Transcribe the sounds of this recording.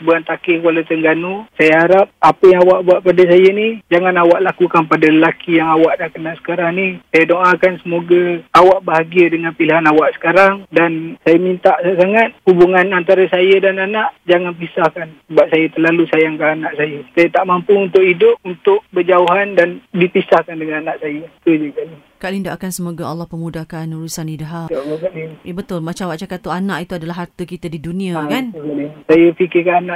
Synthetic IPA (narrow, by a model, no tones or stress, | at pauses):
əbuant̪akɪkwalat̪əŋɡanusajaɦaɾap̚apəjaŋawaʔbuaʔpadas̬ajənid͡ʒaŋanawaʔlakukanpadaləlakijaŋawaʔnahkənasə̥kaɾaŋnisajadoʔakansəmoɡaawaʔbaɦaɡiədəŋanpiliɦanawaʔsə̥kaɾaŋdansajəmint̪aʔsajas̬aŋat̪̚hubuŋanant̪aɾəsajədananaʔd͡ʒaŋanpisahkansəbap̚sajət̪ərlalusajaŋkaanaʔsajət̪aiʔt̪aʔmampuunt̪ʊkidʊp̚unt̪ʊʔ̚bəd͡ʒauɦandandipisahkandəŋananaʔsajəit̪ud͡ʒəkali | kaʔlindaʔakansəmoɡaɑlːɔhpəmudakanuɾusanidaɦaakaʔlibət̪ʊlmat͡ʃawaʔt͡ʃakat̪uanaʔit̪uadalaɦart̪əkit̪adidunĩakankalisajəfikɪkananaʔ